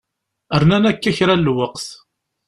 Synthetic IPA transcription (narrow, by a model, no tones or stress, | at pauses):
əɾnænækːæçɾælːwəqθ